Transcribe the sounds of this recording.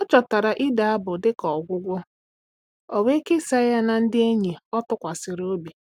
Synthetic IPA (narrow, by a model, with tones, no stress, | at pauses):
ɔ˦t͡ʃɔ˨ta˨ɾa˨ʔɪ˦da˨a˦bʊ˨dɪ˦kɔ˨ɡʷʊ˦ɡʷʊ˦ | ɔ˨we˦ke˦sa˦ja˦na˨n̩˦dɪ˦e˦ɲe˨ɔ˦tʊ˦kʷa˨sɪ˨ɾo˦bi˨